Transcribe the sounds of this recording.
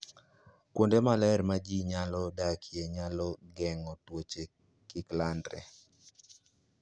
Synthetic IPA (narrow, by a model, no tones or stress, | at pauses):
kwondemalɛɾmad͡ʒiɲalɔdakʰjeɲalɔɡɛŋɔtwot͡ʃe | kɪklandɾɛ̰